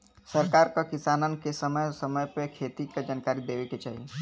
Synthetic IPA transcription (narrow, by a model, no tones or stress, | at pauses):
səɾkaːɾkakɪsaːnənkesəməjsəməjpekʰeːt̪ikad͡ʒaːnkaːɾid̪eːʋeket͡ʃa̰ːɦie